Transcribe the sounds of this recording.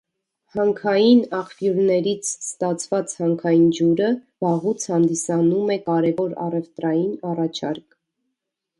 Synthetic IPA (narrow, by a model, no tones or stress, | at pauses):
hɑŋkʰɑjinɑχfjuɾnɛɾit͡sʰst̪ɑt͡sʰvɑt͡shɑŋkʰɑjind͡ʒuɾəbɑʁut͡sʰhɑnd̪isɑnumɛkɑɾɛvɔɾɑ̰rɛvt̪ɾɑjinɑrɑt͡ʃʰɑ̰ɾk